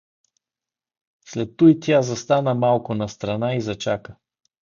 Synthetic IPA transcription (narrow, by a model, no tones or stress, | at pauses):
slɛt̪ːujt̪jazɐst̪anəmalˠkʊnɐst̪ɾanaizɐt͡ʃakə